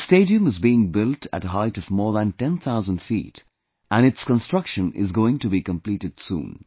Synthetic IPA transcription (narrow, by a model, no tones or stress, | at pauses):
steɪɾiɨ̃mɨzbiɪ̃ŋbɪlˠtʰɨ̰ɾəɦaɪɾʌvmɔːɹðə̃ntɛ̃nθaʊzə̃nd̥fḭt | ʔə̃nɨtskə̃nstɹ̥ʌkʃə̃nɪ̰zɡoʊɪ̃ŋtɨbikə̃mpliɾɨd̥sṵ̃ːn